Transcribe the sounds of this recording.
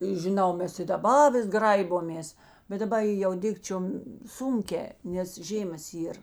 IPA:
ɪ ʒʲɪˈnɐʊ ˈmʲɛs ɪ dɐˈbɐ ˈʋʲɪs ˈɡrɐɪboːmʲeːs bʲɛt dɐˈbɐ ɪ ˈjɛʊ ˈdʲɪkt͡ʃʲoːm ˈsʊŋʲˌkʲɛː nʲɛs ˈʒʲeːmɐs ˈiːr

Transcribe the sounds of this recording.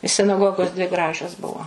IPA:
sʲɪnɐˈɡoːɡoːs dʲʋʲɪ ˈɡrɑːʒʲoːs ˈbʊʋoː

